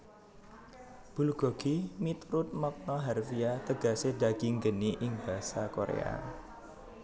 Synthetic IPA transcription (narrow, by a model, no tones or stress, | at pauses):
b̥ṳluɡ̥ɔ̤ɡ̥imit̪ɾʊt̪̚mɔk̚nɔɦarfiat̪əɡ̥a̤seɖa̤ɡ̥iŋɡəniʔɪŋb̥a̤sakoɾḛa̰